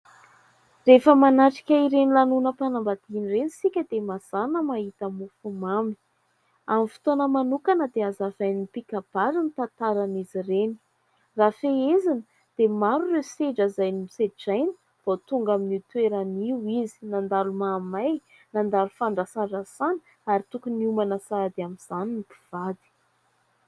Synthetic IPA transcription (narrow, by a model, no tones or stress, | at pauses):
refəmanaʈ͡ʂi̥kʲəiɾenilanunəpanambad̪inirenisikʲəd̪emaz̥anəmaɦit̪amufumambi̥ | amifi̥t̪onəmanukanəd̪eazavajnipikab̥aɾinit̪ant̪aɾanizireni̥ | rafeezanə | d̪̥emaɾurewseɖ͡ʐəzajniseʈ͡ʂajni̥ | v̥ot̪uŋɡaminit̪weɾaniwizi̥nand̪alumamaj | nand̪alufaɳɖ͡ʐasanɖ͡ʐasani̥ | aɾit̪ukuniumanəsad̪iaminz̥aninipi̥v̥ad̪i̥